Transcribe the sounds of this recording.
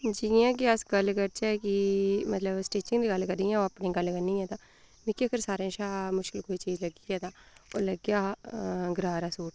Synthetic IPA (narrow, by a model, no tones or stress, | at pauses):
d͡ʒɪjãːk̬iəsɡəlːkəɾt͡ʃɛːkimət̪ləbsʈeːt͡ʃɪ̃ŋɡd̪iːɡəlkəɾiːjãːoːapniːɡəlkəɾniːɛ̃ːt̪ãː | mĩːkiəkəɾsaːɾẽːʃaːmʊʃkɪlkoːiːt͡ʃiːd͡ʒləɡiːɛːt̪ãːo̰ːləɡjaːɡɾaːɾaːsuːʈ